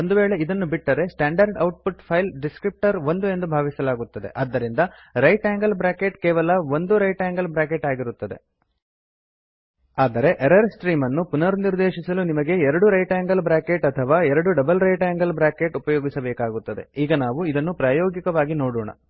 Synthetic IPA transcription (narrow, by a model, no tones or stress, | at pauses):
ond̪uʋe̞ːɭe̞id̪ɐnːubiʈːɐɾe̞sʈaːɳɖɐɾɖɐwʈ̚puʈpʰɐjlɖiskɾip̚ʈɐɾʋo̞nd̪ue̞nd̪ubʱaːʋisɐlaːɡut̪ːɐd̪e̞̰ʔɐd̪ːɐɾind̪ɐ | ɾɐjʈaːŋɡɐlbɾaːkeʈkɛːʋɐlɐʋond̪uɾɐjʈaːŋɡɐlbɾaːkeʈaːɡiɾut̪ːɐd̪e̞̰ | aːd̪ɐɾe̞ʔeɾɐɾsʈɾiːmɐnːupunɐɾniɾd̪e̞ːʃisɐlunimɐɡe̞ɛɾɐɽuɾɐjʈaːŋɡɐlbɾaːkeʈɐt̪ʰɐʋaːɛɾɐɽuɖɐbɐlɾɐjʈaːŋɡɐlbɾaːkeʈupɐjoːɡisɐbɛːkaːɡut̪ːɐd̪e̞̰iːɡɐnaːʋuid̪ɐnːupɾaːjoːɡikɐʋaːɡinoːɽuːɳɐ̰